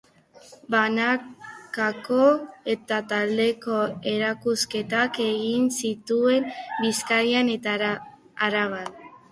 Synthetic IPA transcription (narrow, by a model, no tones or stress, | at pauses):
banakako̞e̞t̪at̪ald̪e̞ko̞e̞ɾakuske̞t̪ake̞ɣinsit̪ue̞mbiskaɾiane | aɾaβat̪